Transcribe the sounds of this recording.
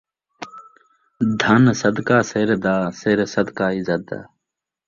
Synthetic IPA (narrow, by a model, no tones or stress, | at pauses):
d̪ʱɐnsɐd̪kaːseɾd̪aːseɾsɐd̪kaːizɐt̪̚a̰ː